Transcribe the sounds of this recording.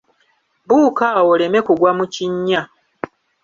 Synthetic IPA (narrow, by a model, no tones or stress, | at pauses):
buːkawo̞le̞me̞kuɡwamuciɲːa